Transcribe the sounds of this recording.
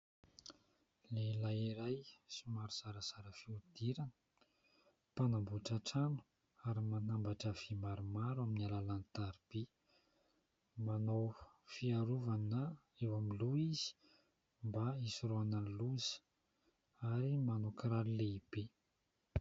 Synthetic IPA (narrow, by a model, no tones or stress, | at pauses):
lelajiɾajsimaɾuz̥aɾəz̥aɾəfiud̪̥iɾanə̥ | panambuʈ͡ʂaʈ͡ʂanu̥ | aɾimanambaʈ͡ʂəv̥imaɾumaɾaminialalanit̪aɾib̥e | manowfiaɾuvana | ewamiluiz̥i̥ | mbaisiroananluzə̥ | aɾimanokɾaɾileib̥e